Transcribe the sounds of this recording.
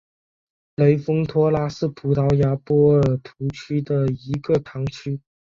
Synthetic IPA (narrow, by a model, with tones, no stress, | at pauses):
le˧˥ɪfɤ˥ŋt̪ʰwɔ˥la˥sɹ̩˥˩pʰu˧˥t̪ʰɑ˧˥ʊja˧˥pwɔ˥ə˨˩t̪ʰu˧˥t͡ɕʰy˥d̪ə˨i˧˥ɡə˧t̪ʰɑ˧˥ŋt͡ɕʰy˥